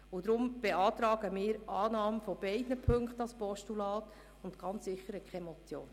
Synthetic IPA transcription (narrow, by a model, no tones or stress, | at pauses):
ʊd̪ɾʊmb̥eɑːt̪ɾɑːɡ̥əmɪːɾʔɑːnɑːmfɔb̥ɛɪdnəpʰɵŋktɑspɔʃtulɑːt̪ | ʊnt̪ɡ̥ɑnt͡ssɪχəɾəkχɛmɔt͡sjo̰ːn